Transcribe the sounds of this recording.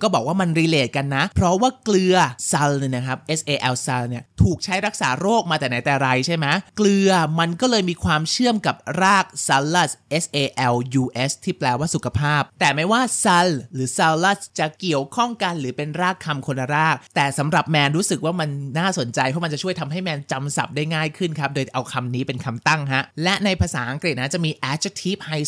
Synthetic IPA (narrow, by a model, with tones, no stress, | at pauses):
kɔː˥˩bɔː˨˩k̚waː˥˩ma˧nɾiː˧leː˨˩t̪̚ka˧nːa˦˥pʰɾɔ˦˥waː˥˩klɯ˧ɐsa˧lna˦˥kʰa˦˥p̚ʔe˦˥sʔeː˧ʔɛ˧wsa˧lni˥˩ɐt̪ʰuː˨˩k̚t͡ɕʰa˦˥jɾa˦˥k̚saː˩˦ɾoː˥˩k̚maː˧t̪ɛː˨˩na˩˦jt̪ɛː˨˩ɾa˧jt͡ɕʰa˥˩jma˦˥klɯ˧ɐma˧nkɔː˥˩lɤː˧jmiː˧kʰwaː˧mt͡ɕʰɯ˥˩əmka˨˩p̚ɾaː˥˩k̚sa˧˥lːa˥˩sʔe˦˥sʔeː˧ʔɛ˧wjuː˧ʔe˦˥st̪ʰiː˥˩plɛː˧˩waː˥˩su˨˩kʰa˧pʰaː˥˩p̚t̪ɛː˨˩ma˥˩jwaː˥˩sa˧lːɯː˩˦sa˧lːa˥˩st͡ɕa˨˩ki˨˩əwkʰɔ˥˩ŋka˧nɾɯː˩˦pe˧nɾaː˥˩kʰːa˧mkʰo˧nːa˧ɾaː˥˩k̚t̪ɛː˨˩sa˩˦mɾa˨˩p̚mɛː˧nɾuː˦˥sɯ˨˩k̚waː˥˩ma˧nːaː˥˩so˨˩˦nt͡ɕa˧jpʰɔ˦˥ma˧t͡ɕa˨˩t͡ɕʰu˥˩əjt̪ʰa˧mɦa˥˩jmɛː˧nt͡ɕa˧msa̰˨˩p̚daː˥˩jŋaː˥˩jkʰɯ˥˩nkʰa˦˥p̚doː˧jʔa˧wkʰa˧mniː˦˥pe˧nkʰa˧mt̪a˥˩ŋkʰa˦˥ʔlɛ˦˥ʔna˧jpʰaː˧saː˩˦ʔa˧ŋkɾi˨˩t̪̚na˦˥t͡ɕa˨˩ʔmiː˧ʔɛː˦˥t͡ɕʰt̪ʰiː˦˥p̚ha˧j